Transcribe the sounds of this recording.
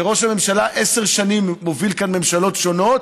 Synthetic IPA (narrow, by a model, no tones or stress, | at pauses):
eʁo̞ʃhame̞mʃalaʔe̞se̞ʁʃanimːovilkanme̞mʃalo̞tʃo̞no̞t̪